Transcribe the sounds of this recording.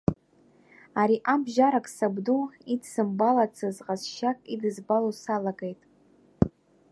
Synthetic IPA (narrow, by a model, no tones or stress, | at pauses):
aɾiʔabʒaɾakʼsabduidsɨmbalat͡sʰɨzqʼazʃakʼidɨzbalosalaɡʼejtʼ